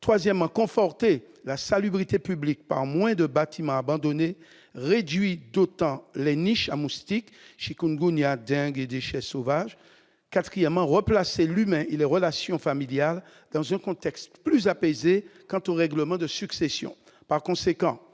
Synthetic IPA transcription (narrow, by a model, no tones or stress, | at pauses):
t̪χwazjɛmːɑ̃kɔ̃fɔʁt̪e | lasalybʁit̪epyblik̚pa̰ʁmwɛ̃d̪əbat̪ʰimɑ̃abɑ̃d̪ɔne | ʁed̪ɥid̪ot̪ɑ̃lɛniʃamust̪ik | ʃikunɡunjad̪ɛ̃ɡed̪eʃɛsovaʒ | kat̪χijɛmːɑ̃ʁəplaselymɛ̃ʔelɛʁəlasjɔ̃familjal | d̪ɑ̃zɛ̃kɔ̃t̪ɛkst̪plyzapezekɑ̃t̪oʁɛɡləmɑ̃d̪əsyksesjɔ̰̃ | paʁkɔ̃sekɑ̃